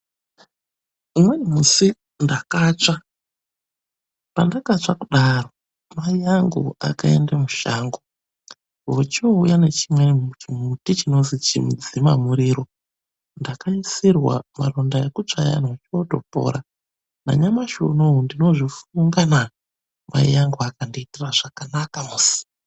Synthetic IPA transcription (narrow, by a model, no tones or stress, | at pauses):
imwenimusi | ndakat͡ʂa | pandakat͡ʂakuɗaro̞ | maiaŋɡṵa̰kaḛndamuʃaːŋɡo | wot͡ʃoujane̞t͡ʃimwemutit͡ʃino̞nzit͡ʃḭmd͡zimamuɾiːɾo̞ | ndakaisirwa̰marondajekut͡ʂaja̰nwot͡ʃioto̞̰po̞̰ɾa | na̰ɲamaʃo̰nondino̞ʐifuŋɡana | ma̰ḭaŋɡuakandiitiraʐakanakamusi̥